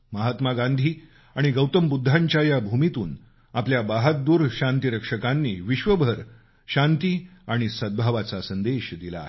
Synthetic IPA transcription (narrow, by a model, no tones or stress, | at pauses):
məɦat̪maɡand̪ʱiː | aɽ̃iɡəwt̪əmbud̪ʱːaɲt͡ɕjajabʱumit̪uːn | apljabaɦət̪̚d̪uːɾɕãnt̪iɾəkʂəkanːḭːʋiɕʋəbʱəɾ | ɕant̪iːaɽ̃isəd̪̚bʱaʋat͡sasənd̪eɕd̪ila̰